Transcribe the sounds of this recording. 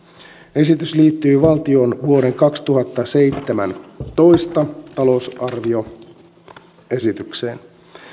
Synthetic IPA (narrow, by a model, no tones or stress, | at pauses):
e̞sit̪ysliːt̪ːyːʋɑlt̪io̞nʋuo̞ɾe̞ŋkɑkst̪uɦɑt̪ːɑse̞jt̪ːemæ̰nt̪o̞ist̪ɑt̪ɑlo̞sɑrʋio̞ | e̞sit̪yksḛːn